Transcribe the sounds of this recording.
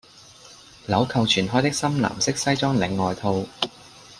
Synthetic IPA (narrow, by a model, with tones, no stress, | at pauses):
lɐ˨˥wkʰɐ˨wt͡ʃʰyː˨˩nɦɔː˥jt̪ɪ˥k̚sɐ˥mla̰ː˨˩msɪ˥k̚sɐ˥jt͡sɔː˥ŋlɪ˨˧ŋːɔː˨jt̪ʰo˧w